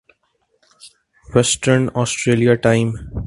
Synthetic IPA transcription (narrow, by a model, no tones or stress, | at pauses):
ʋɛsʈəɾnɔːsʈɾeːlijaʈãɪ̃m